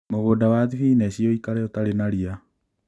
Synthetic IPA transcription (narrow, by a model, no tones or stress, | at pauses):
moɣoːdawaðifinɛɕiɔikaɾɛɔtaɾenaɾia